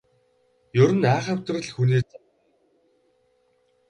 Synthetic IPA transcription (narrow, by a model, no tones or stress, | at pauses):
jɵɾɘ̆næːχə̆w̥ʲt̪rə̆ɮxuniːt͡sa